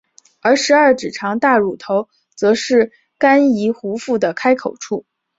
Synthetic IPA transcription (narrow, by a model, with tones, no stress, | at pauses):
ə˞˧˥ʂɻ̩˧˥ɐ˞˥˩ʈ͡ʂɻ̩˨˩ʈ͡ʂʰɑ˧˥ŋt̪a˥˩ɻu˨˩t̪ʰo˧˥ʊ | t͡sɤ˧˥ʂɻ̩˥˩ | ka˥ni˧˥xu˧˥fu˥˩d̪ə˩kʰa˥ɪkʰo˨˩ʊʈ͡ʂʰu˥˩